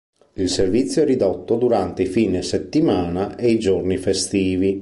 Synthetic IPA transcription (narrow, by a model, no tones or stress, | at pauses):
ilservit̪sːjoɛrid̪ɔt̪ːod̪uɾant̪eifiːneset̪ːimaːnaeid͡ʒornifest̪iːvi